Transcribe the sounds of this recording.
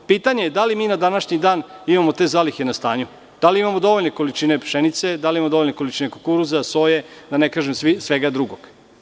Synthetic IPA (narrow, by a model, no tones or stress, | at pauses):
piːt̪aɲejed̪alimiːnad̪anaʃɲid̪aːnimamo̞t̪e̞ːzaːlixe̞nast̪a̰ːɲu | d̪̥aliimamod̪o̞ʋo̞ʎne̞ko̞lit͡ʃine̞pʂenit̪se̞d̪alimamod̪ooʎneko̞lit͡ʃine̞kokuɾuzaso̞jed̪anekaːʒemsʋisʋeɡad̪ɾuɡoɡ̥